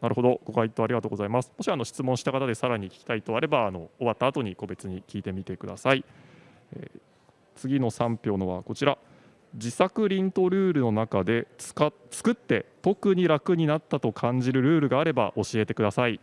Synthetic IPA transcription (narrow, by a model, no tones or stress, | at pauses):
naɾɯ̟ɦo̞d̪o̞ɡ̥o̞kait̪ːo̞aɾiɡat̪oːɡozaimasɨ̥moɕiano̞ɕi̥t͡sɨmõ̞ɰ̃ɕi̥t̪akat̪ad̪e̞saɾaɲ̟ikʲi̥kʲi̥t̪ait̪o̞aɾe̞baːno̞oβat̪ːaːt̪o̞ɲ̟iko̞be̞t͡sɨɲ̟ikʲiːt̪e̞mʲit̪e̞kɯ̟d̪a̰sai | ḛ | t͡sɨɡʲino̞sãmpʲo̞ːno̞βa̰ko̞t͡ɕiɾa | d͡ʑisakɯ̟ɾʲĩnt̪o̞ɾɯ̟ːɾɯ̟no̞nakad̪e̞̥ka | t͡sɨ̥kɯ̟t̪ːe̞t̪o̞kɯ̟ɲ̟iɾakɯ̟ɲ̟inat̪ːat̪o̞kʰãɲ̟d͡ʑiɾɯ̟ɾɯ̟ːɾɯ̟ɡaːɾe̞ba̰ʔo̞ɕie̞t̪e̞kɯd̪asai